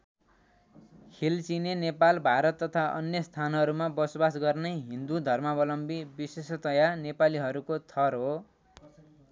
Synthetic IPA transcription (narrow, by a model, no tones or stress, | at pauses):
kʰilt͡sinenepalbʱaɾʌt̪ːʌt̪ʰaʔʌ̰njʌst̪ʰanɦʌɾumabʌsobasɡʌrnʌjɦind̪ud̪ʱʌrmʌbʌlʌmbibisest̪ʌjanepaliɦʌɾukot̪ʰʌrɦo